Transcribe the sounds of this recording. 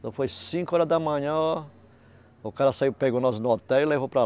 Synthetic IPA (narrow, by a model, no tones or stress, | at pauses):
t̪ɐ̃w̃fojsĩkʊɔɾɐzd̪ɐmɐ̃ɲɐ̃ | ʊkaɾɐsaiwpeɡonɔsnʊot̪ɛwɪlevopɾɐ